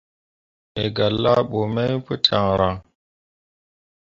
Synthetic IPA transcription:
e˨ɡa˨lːa˦ɓo˨me˦jpə˦tʰa˨ŋɾa˨ŋ

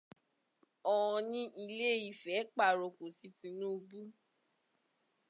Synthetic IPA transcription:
ɔ˨ɔ̃˧nĩ˦ʔi˧le˦˨i˨fɛ˨˦k͡pa˦˨ɾo˨ko˨si˦tĩ˧nũ˦o˧bu˦

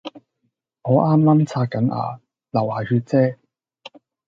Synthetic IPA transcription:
ŋɔː˨˧ʔaː˥mːaː˥mt͡sʰaː˧t̚kɐ˨˥nʔa̰ː˨˧ | lɐ˨˩waː˨˩hyː˧t̚t͡sɛː˥

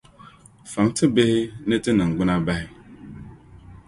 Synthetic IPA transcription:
fa˨ŋtʰɨ˦be˦hɪ˦nə˦tɨ˦nɨ˨ŋ̩˨ɡ͡bɨ˦na˦ba˦hɪ˦

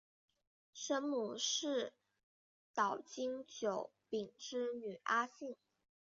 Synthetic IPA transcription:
ʂə˥nmu˨˩ʂɻ̩˥˩ | t̪ɑ˨˩ʊt͡ɕi˥ŋt͡ɕjo˨˩˥ʊ | pi˨˩ŋʈ͡ʂɻ̩˥ny˨˩ʔa˥ɕi˥˩ŋ

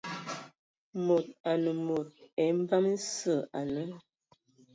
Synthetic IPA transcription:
mo˨t̚a˨nə˨mo˨t̚ɛ˨˦m˦ba˦m˦n̩˦sə˦˨a˨nə˦

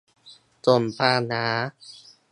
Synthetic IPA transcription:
t͡ɕo˨˩npʰaː˧˩naː˩˦˥

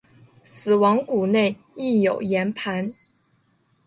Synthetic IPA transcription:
sɹ̩˨˩wɑ˧˥ŋku˨˩ne˥˧ɪ | i˥˩jo˨˩ʊjɛ˧˥npʰa˧˥n

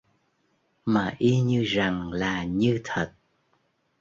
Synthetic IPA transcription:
maː˨˩ʔi˧ɲɨ˧za˨˩ŋlaː˨˩ɲɨ˧t̪ʰə˨˩t̚

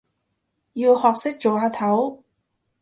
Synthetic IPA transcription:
jiː˧whɔː˨k̚sɪ˥k̚t͡so˨˩waː˧t̪ʰɐ˨˥w

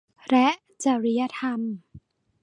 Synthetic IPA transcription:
ɾɛ˦˥ʔ | t͡ɕa˨˩ɾi˦˥ja˧˥t̪ʰa˧m

